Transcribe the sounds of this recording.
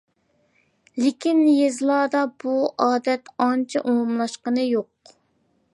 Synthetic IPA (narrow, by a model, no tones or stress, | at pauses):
lɪkʲʰinjezlˠɑːd̪ɑb̥uɑːd̪ɛt̪ɑnt͡ʃʰɛʔumumlˠɑʃqənɨjoq